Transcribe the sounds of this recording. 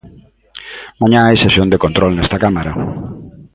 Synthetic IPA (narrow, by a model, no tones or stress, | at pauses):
mãɲãajsesjond̪ekont̪ɾolnɛst̪akamaɾa